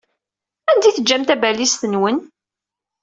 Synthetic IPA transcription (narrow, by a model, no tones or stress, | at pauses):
ænd̪iθəd͡ʒːæmt̪æbælist̪ənwən